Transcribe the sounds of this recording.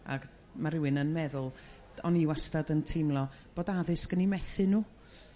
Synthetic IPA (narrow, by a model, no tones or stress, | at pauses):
a̰̥ | maɾɪwɨnənmɛðʊlˠ | ɔniwastadəntʰɪmlˠɔ | b̥oːdaðɨsɡ̥ənimɛθɨnuː